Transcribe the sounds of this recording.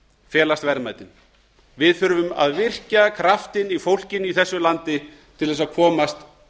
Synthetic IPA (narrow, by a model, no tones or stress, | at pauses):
fjɛːlast̪vɛɾmaːjt̪ɪn | vɪðfʏɾʏvʏma̰ðvɪr̥cakʰɾaft̪ɪnifowl̥cɪniθɛsːʏlant̪ɪ | t̪ʰɪlðɛs̬aðkʰɔːmast̪